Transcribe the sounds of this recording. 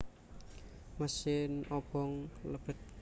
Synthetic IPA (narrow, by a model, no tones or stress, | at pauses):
məsɪnɔbɔŋləb̥ət̪̚